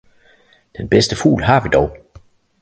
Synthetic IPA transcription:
d̥enb̥esd̥əfṵːlɦɑ̈ʋid̥ɒʊ

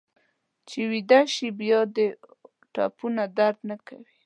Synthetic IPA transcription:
t͡ʃewid̪aʃibjɑd̪ə | ʈɑ̰punad̪aɾd̪nakawi

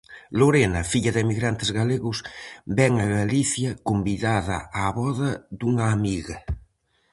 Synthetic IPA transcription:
loɾenɐfiʎɐðɪemiɣɾant̪ezɣaleɣʊsbɛŋaɣaliθjɐkombiðaðɐ̰aːβɔðɐd̪uŋaːmiɣɐ

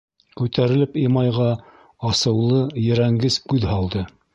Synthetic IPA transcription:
kʉt̪æɾɘ̆lɘpimɑjʁɑ | ɑsɤ̆wlˠɤjɘ̆ɾæŋɡɘskʉðɦɑlˠd̪ɤ

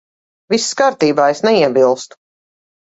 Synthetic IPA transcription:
visːkaːɾt̪iːbaːesnɛiɛbilˠst̪u̥

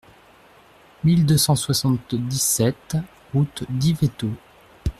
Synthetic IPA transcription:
mild̪øsɑ̃swasɑ̃t̪d̪isɛt̪ | ʁut̪d̪ivet̪o

